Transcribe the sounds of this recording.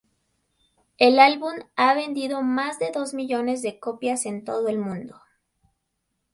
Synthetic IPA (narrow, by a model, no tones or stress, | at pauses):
e̞lalβumaβe̞nd̪iðo̞mazðe̞ðo̞zmiʝo̞ne̞zðe̞ko̞pjase̞nt̪o̞ðoe̞lmũnd̪o